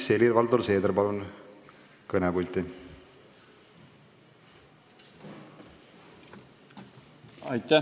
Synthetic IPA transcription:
selʲirvɑld̪olse̞ːd̪rpɑlun | kɤnɛbulʲt̪i | ɑjt̪æ

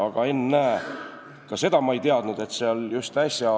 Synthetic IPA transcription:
ɑɡ̥ɑe̞nːæe | kɑse̞d̪ɑmɑejt̪eɑd̪̥nud̪̥e̞t̪ːseoljust̪æsʲjɑɑ

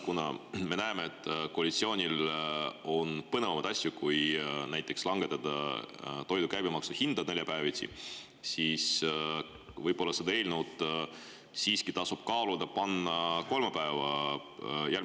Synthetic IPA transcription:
kunɑ̰me̞næemeet̪ːˑkoːlʲit̪sioːnʲil | o̞npɤnevɑmɑt̪ɑsjukujnæjt̪ːˑe̞kslɑŋɡ̥e̞t̪ːˑɑd̪̥ɑ̰t̪o̞jd̪ukæjbimɑksuhind̪̥ɑne̞lʲjɑpæevit̪sḭ | siːs | vɤjb̥o̞lːɑsed̪ɑe̞ːlʲnuwd̪ | siːskit̪ɑsub̥̚kɑːlud̪ɑpɑnːɑko̞lmepæevɑ | jæl

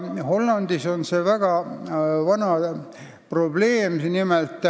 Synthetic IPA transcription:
ho̞lːɑnd̪iso̞nsevæɡ̥ɑvɑnɑ | pro̞ble̞ːmnimelt̪ːˑ

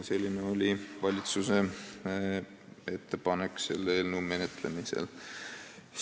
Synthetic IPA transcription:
se̞lʲːineo̞lʲivɑlʲit̪suse̞ | e̞t̪ːe̞pɑnekse̞lːeːlnume̞net̪le̞misḛl

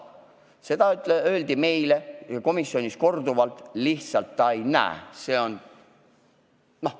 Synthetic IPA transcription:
se̞d̪̥ɑyt̪eøːld̪̥ime̞jleko̞misːio̞nʲisko̞rd̪uvɑlt̪ˑliht̪sɑlt̪ːɑejnæ̰ḛse̞ːo̞n | noh

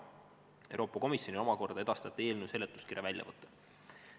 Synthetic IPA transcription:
ewɾo̞ːpːˑɑko̞misjo̞nio̞mɑko̞rd̪ɑe̞d̪ɑst̪ɑt̪ːˑe̞ːlnuse̞lːet̪ːˑu̥skiɾjɑvælʲjɑ̰vɤt̪ʰˑːɑ̥

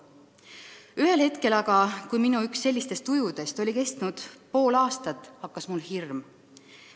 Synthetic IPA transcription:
yɦe̞lhe̞t̪ke̞lɑɡ̥ɑkujminuyksːe̞lʲːist̪e̞st̪ːujud̪̥e̞st̪o̞lʲike̞st̪nud̪̥po̞ːlɑːst̪ɑt̪ːˑhɑkːˑɑsmulhirm

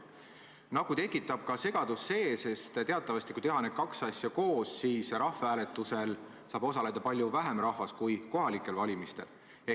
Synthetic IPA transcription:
nɑɡ̥ut̪e̞kːˑit̪ːˑɑb̥̚kɑse̞ɡ̥ɑd̪̥usːe̞ːse̞st̪t̪e̞ɑt̪ːˑɑvɑst̪ikuijt̪e̞ɦɑne̥kɑksɑsʲjɑko̞ːssiːsɾɑhfeæːle̞t̪ːˑuse̞l | sɑːb̥o̞sɑle̞d̪̥ɑpɑlʲjuvæɦemrɑhvɑskujko̞ɦɑlikˑːe̞lvɑlʲimist̪e̞̰l

